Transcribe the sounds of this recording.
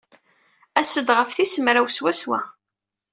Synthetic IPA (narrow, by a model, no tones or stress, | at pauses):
æsəd̪ʁəfθisəmɾæwswæswæ̰